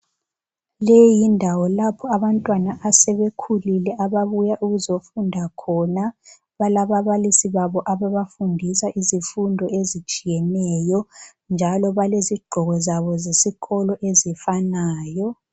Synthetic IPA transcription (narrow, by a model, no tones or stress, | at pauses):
lejindʱawɔlapʰɔaβantʼwanaʔasɛβekʰulilɛʔaβaβujaʔuɣuzofundʱakʰɔna | βalaβaβalisiβaβɔʔaβaβafundʱisaʔizifundʱɔezit͡ʃʼijɛnɛjɔ | nd͡ʒʱalɔβaleziɡ͡ǃʱɔɣɔzaβɔzesiɣɔlɔʔezifanaːjɔ